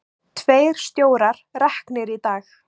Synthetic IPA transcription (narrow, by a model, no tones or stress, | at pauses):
t̪ʰveːjɾ̥st̪joːwɾaɾ̥rɛhknɪɾit̪aːx